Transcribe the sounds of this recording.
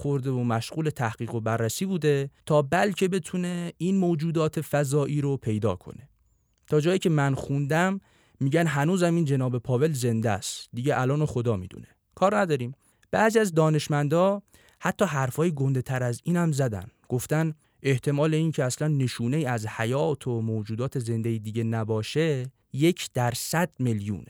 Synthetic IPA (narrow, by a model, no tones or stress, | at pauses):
xo̞ɾd̪e̞vomæʃɣuːle̞t̪ʰæhɡ̥iːɣo̞bærːæsiːbuːd̪e̞t̪ʰɒːbælcʰe̞be̞t̪ʰune̞inmod͡ʒuːd̪ɒːt̪ʰefæzɒːʔiːɾopʰe̞jd̪ɒ̰ːkʰo̰ne̞ | t̪ʰɒːd͡ʒɒːjiːcʰemænxund̪æmː | iːɟænɦænuːzæmiːnd͡ʒe̞nɒːbe̞pʰɒːve̞lze̞nd̪æ̰st̪d̪iːɟeʔælɒːnoxo̞d̪ɒːmḭːd̪ṵne̞ | kʰɒːɾnæd̪ɒːɾiːm | b̥æʔziæzd̪ɒːne̞ʃmænd̪ɒː | hæt̪ʰːɒːɦæɾfɒːjiɡo̞nd̪e̞t̪ʰæɾæziːnhæmzæd̪æ̰nɡ̥o̞ft̪æn | ʔe̞ht̪ʰe̞mɒːle̞iːncʰeæslænːe̞ʃuːneiːæzhæjɒːt̪ʰomoːd͡ʒuːd̪ɒːt̪ʰe̞ze̞nd̪eid̪iːɟe̞næbɒːʃe | je̞cʰd̪̥æɾsæd̪̥meljṵːne